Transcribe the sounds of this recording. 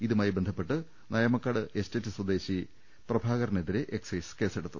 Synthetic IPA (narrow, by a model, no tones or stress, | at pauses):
iðumaːjibend̪ʱɐpːe̞ʈːɨ | nɐjɐmɐkːaːɽɨesteːtːɨswɐd̪e̞ːɕi | prɐbʱaːɣɐrneðiɾeʔeksɐjske̞ːseɽut̪ːu